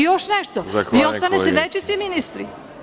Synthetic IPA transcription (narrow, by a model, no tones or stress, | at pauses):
joʃneʃt̪oʋiːost̪anet̪eʋet͡ʃit̪iminist̪ɾḭ